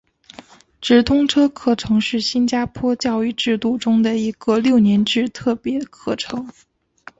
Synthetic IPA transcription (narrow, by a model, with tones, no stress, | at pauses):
ʈ͡ʂɻ̩˨˩t̪ʰʊ˥ŋʈ͡ʂʰɤ˥kʰɤ˥˩ʈ͡ʂʰɤ˧˥ŋʂɻ̩˥˩ɕi˥nt͡ɕja˥pʰwɔ˥t͡ɕjɑ˥˧ʊy˥˧ʈ͡ʂɻ̩˥˧t̪u˥˩ʈ͡ʂʊ˥ŋd̪ə˨i˧˩ɡə˥˧ljo˥˩ʊnjɛ˧˥nʈ͡ʂɻ̩˥˧t̪ʰɤ˥˩pjɛ˧˥kʰɤ˥˩ʈ͡ʂʰɤ˧˥˦ŋ